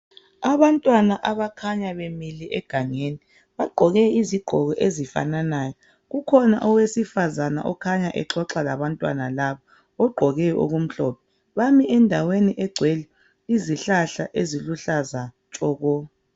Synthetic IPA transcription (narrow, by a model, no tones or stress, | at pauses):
aβantʼwanaʔaβakʰaɲaβemiliʔɛɡ̥ʱaŋeni | βaɡ͡ǃʱɔɣɛiziɡ͡ǃ̥ʱɔɣɔʔezifa̰nanaːjɔ | ɣukʰɔna̰ʔɔwesifazana̰ʔɔkʰaɲaʔɛǁɔǁalaβantʼwa̰nalaβa | ɔɡ͡ǃʱɔɣɛɔo̰ɣum̩ɬɔpʰɛ | βamiɛndʱaweniʔɛɡ͡ǀʱweli | iziɬaɬaʔeziluɬaza | t͡ʃʼɔːɣɔ